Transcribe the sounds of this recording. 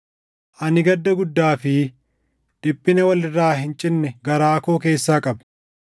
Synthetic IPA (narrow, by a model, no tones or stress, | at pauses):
ʔɐnɪɡɐd̪ːɐɡʊd̪ːaːfɪ | d̪̥ɪpʼːɪnɛwɐlɪrːaːɦɪnt͡ʃʼɪnːɛɡɐɾaːkoːke̞ːsːaːkʼɐb